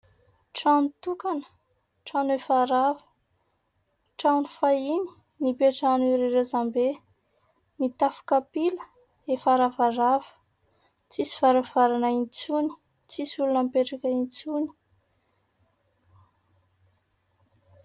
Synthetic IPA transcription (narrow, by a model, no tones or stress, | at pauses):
ʈ͡ʂanut̪ukanə̥ | ʈ͡ʂanefaɾavə̥ | ʈ͡ʂawnifaini̥ | nipeʈ͡ʂaniɾeɾezambe | mit̪afu̥kapilə | efaɾavaɾavə̥ | t͡sisi̥v̥aɾav̥aɾanaint͡suni̥ | t͡sisulunampeʈ͡ʂakaint͡suni̥